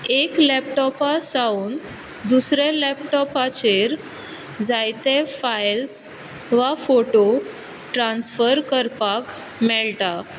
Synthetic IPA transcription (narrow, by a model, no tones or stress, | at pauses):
eklɛpʈɔpasauːn | d̪usɾelɛpʈɔpat͡ɕeɾ | d͡zajt̪efajls | ʋafoʈo | ʈɾãnsfəɾkəɾpak | mɛɭʈa